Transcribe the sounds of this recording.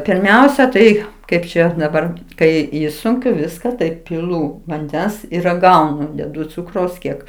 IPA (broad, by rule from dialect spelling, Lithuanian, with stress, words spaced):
pʲɪrʲˈmʲɛʊsʲɛ tɐɪ ˈkɐɪp t͡ʃʲɛ dɐˈbɐr ˈkɐɪ ˈɪʃsʊŋʲkʲʊ ˈʋʲɪskɐ ˈtɐɪ pʲɪˈlˠuː ʋɐnʲˈdʲɛns ɪr rɐˈɡɐʊnʊ dʲɛˈdʊ ˈt͡sʊkrɐʊs ˈkʲiɛk